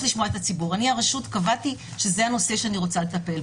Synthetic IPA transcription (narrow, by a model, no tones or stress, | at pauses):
liʃmoaet̪at͡sibuʁaniaʁaʃut̪kavatiʃe̞zeano̞se̞ʃeaniʁo̞t͡salet̪apel